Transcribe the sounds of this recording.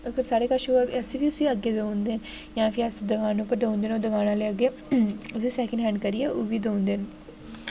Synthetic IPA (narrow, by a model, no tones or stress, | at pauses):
əɡəɾsaːɽeːkəʃoiəsiːʋiːʊsiːəɡːeːd̪ond̪eːn | jãːpʰɪɾəsid̪əɡaːnõːpəɾd̪əõnd̪eːnoːd̪əɡaːnãːleəɡeː | ʊsiːsɛːkə̃ɳɖɦɛ̃ːɳɖ̚kəɾiɛʔoːbiːd̪oːnd̪eːn